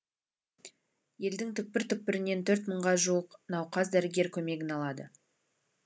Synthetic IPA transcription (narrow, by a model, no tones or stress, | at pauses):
je̞ld̪ɪŋt̪ʰʏk̚pɪɾt̪ʏk̚pɪɾɪne̞nt̪ʰɵɾt̪məɴʁɑʒuəqnɑwqɑzd̪æɾɪɡʲe̞ɾkʲʰɵme̞ɡʲɪnɑlˠɑd̪ə